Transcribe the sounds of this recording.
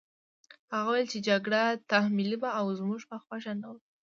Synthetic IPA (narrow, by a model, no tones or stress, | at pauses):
haɣawajlt͡ʃed͡ʒaɡɽat̪ahmilibaːwzmuʐpəxwaʃanaw